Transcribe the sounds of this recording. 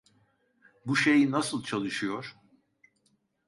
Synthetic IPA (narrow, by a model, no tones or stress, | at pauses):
buʃe̞jinasɯlˠt͡ʃʰalˠɯʃɯjo̞ɾ̥